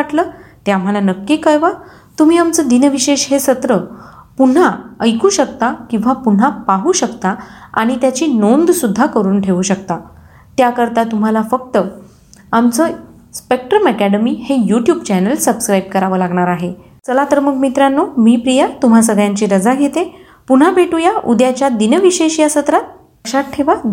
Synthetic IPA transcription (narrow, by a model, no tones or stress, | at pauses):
aʈləːt̪eam̤alanəkːiːkəjʋa | t̪um̤iːamt͡səːd̪inəʋiɕeɕɦesət̪ɾəpuɳ̤aəjkuːɕəkt̪akĩw̃ʋapuɳ̤apaɦuːɕəkt̪aa̰ɽ̃it̪jat͡ɕiːnond̪sud̪ʱːakəɾuːnʈʰeʋuːɕəkt̪a | t̪jakəɾt̪at̪um̤alafək̚t̪ə | amt͡sə | spek̚ʈɾəməkæɽəmiːhejuʈjuːbt͡ɕænəlsəbskɾajbkəɾaʋəlaɡɳaɾaɦe | t͡səlat̪əɾməkmit̪ɾanːomiːpɾijat̪um̤as̬əɡɭjãɲt͡ɕiːɾəd͡zaɡʱet̪e | puɳ̤apeʈujaʔud̪jat͡ɕjad̪inəʋiɕeɕiasət̪ɾat̪̚ | əɕaʈ̚ʈʰeʋa